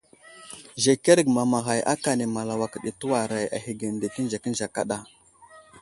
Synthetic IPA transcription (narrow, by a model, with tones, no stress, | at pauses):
ʒe˨ke˦ɾɡma˨ma˨ɣa˨jʔa̰˦ka˨ne˨ma˨la˨wa˨kɗi˨tu˦wa˨ɾa˨ja̰˨ɦi˨ɡə˨n˨de˨ki˦n˦d͡ʒa˨kə˦n˦d͡ʒa˨ka̰˦ɗa˨